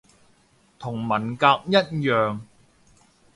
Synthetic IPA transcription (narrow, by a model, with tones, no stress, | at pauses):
t̪ʰʊ˨˩ŋmɐ˨˩nkaː˧k̚jɐ˥t̚jœː˨ŋ